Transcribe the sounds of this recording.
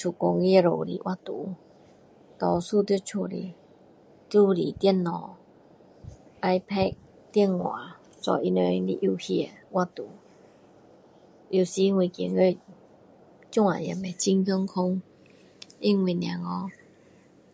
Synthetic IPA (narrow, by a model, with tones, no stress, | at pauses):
t͡ɕʰu˨˩kɔ˧ŋi˦˧˨ɾo˨lḭ˨ʔwʔa˦˧t̪u˨˦ | t̪ɔ˧su˥˧˨t̪ji˥˧t͡ɕʰu˧˨lḭ˨˩ | t̪u˥˦li˨˩t̪jɛ˥˨nːɔ˨˩ | ʔa˦jpʰɛ˥˧k̚ | t̪ɛ˥˧nwã̰˨˦ | sɔ̰˧i˧ne˧li˧ʔu˧hi˧e˨wa˥t̪u˨˦ | i˨˩si˨i˦˥ŋwi˨˧kḭ˨˩˨ŋe˥˦˨ | t͡ɕu˥˧ŋa̰˨jɛ˨˩me˨t͡ɕi˦ŋkə˧˦ŋkʰɔ˦ŋ | i˥ŋwi˧˩nj̃ã̰˨ŋɔ˧˦